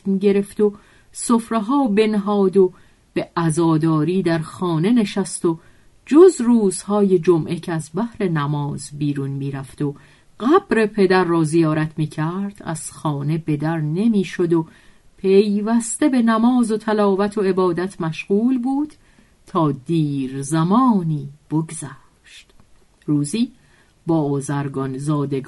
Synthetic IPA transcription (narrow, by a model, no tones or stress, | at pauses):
miɟe̞ɾe̞ft̪o̞ | sofɾeɦɒːbe̞nɦɒːd̪o̞ | b̥e̞ʔæzɒːd̪ɒːɾiːd̪æɾxɒːne̞ne̞ʃæst̪o̞ | d͡ʒozruːz̥hɒːje̞d͡ʒomʔe̞cʰeæzbæhɾe̞næmɒːzbiːɾunmiːɾæft̪o̞ | ɢ̥æbɾe̞pʰe̞d̪æɾːɒːzijɒːɾæt̪ʰmiːcʰæɾd̪̥æ̰z̥xɒːne̞be̞d̪æɾne̞miːʃo̞d̪o | pʰe̞jvæst̪e̞be̞næmɒːzo̞t̪ʰælɒːvæt̪ʰo̞e̞bɒːd̪æt̪ʰmæʃɣuːlbuːd̪̥ | t̪ʰɒːd̪iːɾzæmɒːniːb̥oɡzæ | ʃt̪ | ruːziː | bɒːozæɾɡɒnzɒːd̪eɡ